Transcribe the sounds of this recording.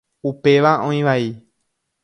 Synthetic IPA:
upe̞ʋaʔõĩʋai

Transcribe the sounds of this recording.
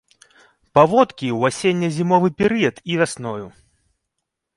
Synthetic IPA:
pavɔt̪kʲiwasʲenʲːɐzʲimɔvɨpʲɛɾɨjɐt̪ivʲasnɔju

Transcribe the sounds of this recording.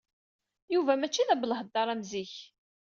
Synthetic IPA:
juvæmæt͡ʃːiðæbələhəd̪ːɑɾˤæmziç

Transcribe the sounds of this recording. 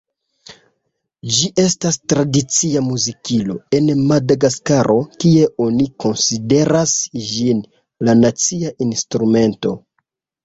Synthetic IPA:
d͡ʒiʔe̞stastɾadit͡siamuzikilo̞e̞nmadaɡaskaɾʔo̞kie̞ʔo̞niko̞nside̞ɾasd͡ʒin | lanat͡siaʔinstɾume̞nto̞

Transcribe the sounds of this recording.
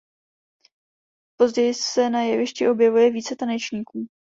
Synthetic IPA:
po̞zɟɛjɪsɛnajɛvɪʃcɪʔo̞bjɛvujɛviːt͡sɛt̪anɛt͡ʃɲiːkuː

